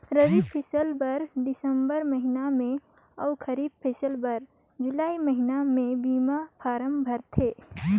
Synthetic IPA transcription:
ɾəʋipʰɪsəlbɐɾɖɪsəmbəɾmɐɦɪnamẽ | ɐʊkəɾiːb̚pʰesəlbəɾ | d͡ʒʊlaːiməɦɪnamẽbiːmapʰaːɾəmbʱɐɾt̪ʰeː

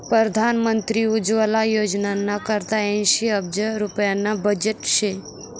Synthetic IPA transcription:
pɾəd̪ʱanmənt̪ɾiud͡ʒʋəlajod͡ʒnanakəɾt̪aɛ̃nʃiəb̚d͡ʒəɾupjanabəd͡ʒeʈʃe

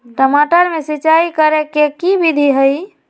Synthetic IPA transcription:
ʈəmaʈəɾmesit͡ʃaikəɾekekibid̪ʱiɦəj

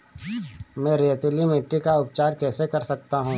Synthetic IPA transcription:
mɛ̃ːɾeːt̪limeʈːikaʊpt͡ʃaːɾkɛːsekɐɾsɐk̚t̪aɦũː

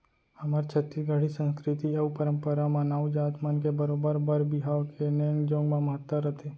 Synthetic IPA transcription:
həmaɾt͡ʃʰət̪ːiɡəɽ̤isə̃nskɾɪt̪iɐupəɾə̃mpəɾamãnawd͡ʒaːt̪mənkebəɾoːbəɾbəɾbɪɦawkeneŋɡd͡ʒõːŋɡmãməɦət̪ːəɾət̪ʰe

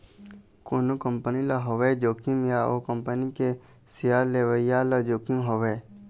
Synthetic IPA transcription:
konukəmpənilaɦoʋed͡ʒoːkimjao̰kɐmpənike | sijaːleʋəijaːlɐd͡ʒoːkimɦoʋeː

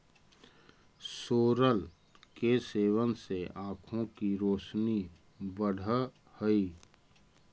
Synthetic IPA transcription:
soːɾəl | keseːʋənseãːkʰõkiɾoːʃni | bəɽ̤ʱə | həi

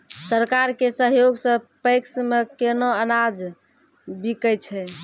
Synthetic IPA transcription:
səɾkaɾkesəɦjoɡsə̃pəjksmekenoənad͡ʒ | bikət͡ʃʰɛ

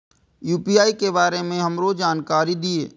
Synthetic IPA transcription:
juːpiaːikebaːɾemẽɦɐmɾod͡ʒaːnkaːɾid̪iḛː

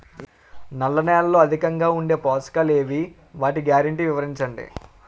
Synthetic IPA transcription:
nɐlːɐnɛːlɐlo̞ːɐd̪ʱikɐŋɡaːuɳɖe̞ːpɔːskale̞ːʋi | ʋaːʈiɡjaːɾɐɳʈiːʋiʋɐɾiɲt͡ʃɐɳɖḭ

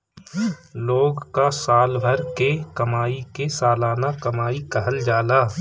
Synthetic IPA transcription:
loːɡkasaːlbʱəɾkekɐmaːikesaːlaːnakɐmaːikɐɦəld͡ʒaːlaː

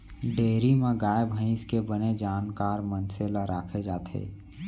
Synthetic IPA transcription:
ɖeːɾimẽɡaːjebʱə̃ɪ̃skebəned͡ʒaːnkaːɾmənselaɾaːkʰed͡ʒaːt̪ʰḛː

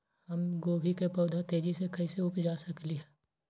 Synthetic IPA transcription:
hɐmɡoːbʱikepɔːd̪ʱat̪eːd͡ʒisekɐiseʊpd͡ʒaːsɐkliɦɛː

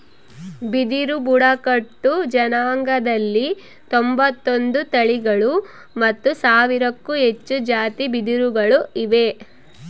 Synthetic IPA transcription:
bid̪iɾubuɽɐkɐʈːud͡ʒɐnaːŋɡɐd̪ɐlːi | t̪ombɐt̪ːond̪ut̪ɐɭiɡɐɭu | mɐt̪ːusaːʋiɾɐkːuɦe̞t͡ʃːud͡ʒaːt̪ibid̪iɾuɡɐɭuiʋe

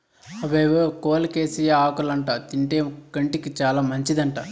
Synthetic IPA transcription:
ɐʋeːʋokoːlɐkeːsijɐaːkulɐɳʈat̪iɳʈeːɡɐɳʈikit͡ʃaːlaːmɐɲt͡ʃid̪ɐɳʈa

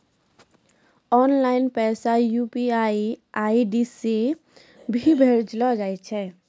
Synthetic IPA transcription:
ɔnlainpɛsajupiaiaiɖise | bʱibʱeɾd͡ʒlɔd͡ʒajt͡ʃʰɛ

